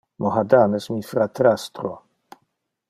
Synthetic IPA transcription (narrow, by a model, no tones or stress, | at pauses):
moɦad̪anɛsmifɾat̪ɾast̪ɾo